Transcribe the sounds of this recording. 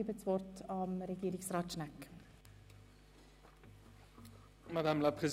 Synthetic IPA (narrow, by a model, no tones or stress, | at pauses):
iːbət͡sʋɔrtʰɑmɾeɡiːɾɪksrɑːtʃnak | mad̪amlapʁez